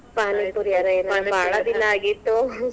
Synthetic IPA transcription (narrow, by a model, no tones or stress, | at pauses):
paːnipuɾijaɾɐeːnɐbʱaːɭɐd̪inɐaːɡit̪ːu